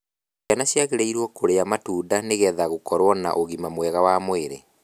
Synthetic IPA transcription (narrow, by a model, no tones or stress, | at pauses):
anaɕjaɣeɾeiɾwɔkoɾeamatuːdaneɣɛðaɣokɔɾwɔna̰ʔoɣimamwɛɣawamoeɾḛ